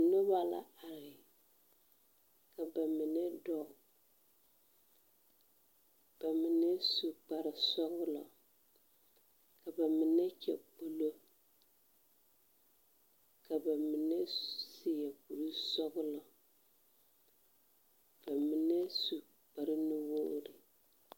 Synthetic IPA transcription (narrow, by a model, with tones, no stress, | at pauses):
nɔ˦ba˦la̰˨a˨ɾɪ˨ | ka˨ba˨mi˨nɛ˦dɔ˦˨ | b̥a˨mi˨nɛ˦su˨k͡pa˨ɾɪ˨sɔ˦ɣʊ˦lɔ˨ | ka˨ba˨mi˨nɛ˦t͡ʃɛ̰˨k͡po˨lo˦ | ka˨ba˨mi˨nɛ˦sɪ˦ja˨ku˨ɾu˦sɔ˦ɣʊ˦lɔ˨ | b̥a˨mi˨nɛ˦su˨ | k͡pa˨ɾɪ˦nɨ˦woː˦ɾɪ˨